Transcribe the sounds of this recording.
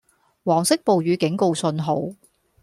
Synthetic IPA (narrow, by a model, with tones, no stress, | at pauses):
wɔː˨˩ŋsɪ˥k̚po˨wjyː˨˧kɪ˨˥ŋko˨˧wsɵ˧nɦo˨˥w